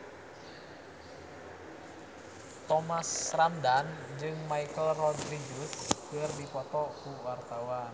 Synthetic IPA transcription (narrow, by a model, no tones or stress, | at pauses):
t̪ɔmasramdand͡ʒɨŋmaikəlrɔdɾiɡuskɨrdipɔt̪ɔkuwart̪awan